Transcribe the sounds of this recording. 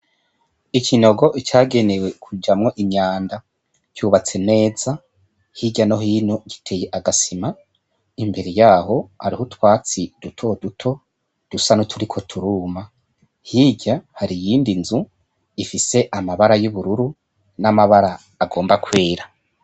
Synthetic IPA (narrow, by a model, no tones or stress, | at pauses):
ikʰino̞ɡo̞ʔit͡ʃaːɡe̞ne̞we̞kʰud͡ʒamŋo̞ʔiɲaːnda | cuːβat͡se̞ne̞ːz̥a | hiɟano̞ɦiːnoɟitʰe̞je̞ʔaɡasima | imbe̞ɾe̞jaːho̞ha̰ɾihutwaːt͡sid̥utʰo̞dutʰo̞ | d̥usanotʰuɾikʰo̞tʰuɾuma | hiɟahaɾijiːndinzu | ifise̞ʔamaβaɾajuβuɾuɾu | namaβaɾaː | ɡo̞ːmbakweːɾa